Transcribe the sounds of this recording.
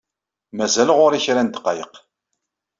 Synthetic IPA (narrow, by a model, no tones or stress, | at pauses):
mæzælʁʊɾiçɾænt̪ə̥qːɑjəq